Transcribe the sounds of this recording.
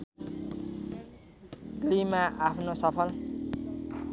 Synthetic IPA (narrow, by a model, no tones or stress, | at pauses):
ɡlimaʔapʰnosʌpʰʌl